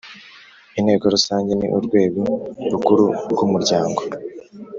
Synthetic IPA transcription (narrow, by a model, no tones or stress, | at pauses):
in̥he̞ːɡo̞ɾusaːɲɟe̞nḭʔuɾɡwe̞ːɡoɾukuɾuɾɡumuɾɟaːŋɡo